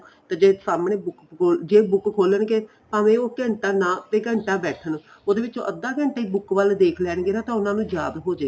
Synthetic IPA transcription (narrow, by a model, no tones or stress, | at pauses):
t̪aːd͡ʒeːsaːmɳeːbʊkoːld͡ʒeːbʊkkʰoːlənkeː | pãːʋẽːoːkəɳʈaːnãːt̪eːɡəɳʈaːbɛːʈʰən | oːd̪eːʋɪt͡ʃo̰ːʔəd̪ːãːkə̃ɳʈaːiːbʊkʋəld̪eːkʰlɛːnɡeːnãːt̪ãːʊnãːnũːd͡ʒaːd̪ɦoːd͡ʒeː